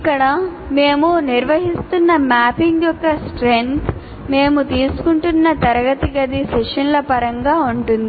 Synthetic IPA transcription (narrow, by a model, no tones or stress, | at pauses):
ikːɐɽɐ | me̞ːmuniɾʋɐɦist̪unːɐmaːpiŋɡjɔkːɐsʈɾent̪ʰ | me̞ːmut̪iːsu̥kuɳʈunːɐt̪ɐɾɐɡɐt̪iɡɐd̪isɛʂɐnlɐpɐɾɐŋɡaːuɳʈund̪ii